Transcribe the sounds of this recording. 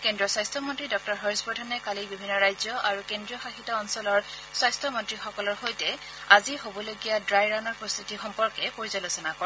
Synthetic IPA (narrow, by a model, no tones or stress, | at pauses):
kendɹiɔswajstʰɔmɔntɹidɔk̚tɔɹɦɔɹisbɔdʱɔnɛkalibibʱinːɔɹajzjɔaɹukendɹijɔxaxitɔːnsɔlɔɹ | swajstʰɔmɔntɹixɔkɔlɔɹxojtɛ | aziɦobɔloɡijadɹajɹanɔɹpɹɔst̪utixɔmpɔɹkɛpoɹizalosɔnakɔɹɛ